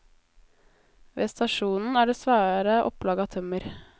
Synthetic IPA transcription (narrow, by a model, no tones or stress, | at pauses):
ʋeːst̪ɑʃuːnn̩æːɖeːsʋæːɾəʔɔ̰plɑːɡɑt̪ʰœməɾ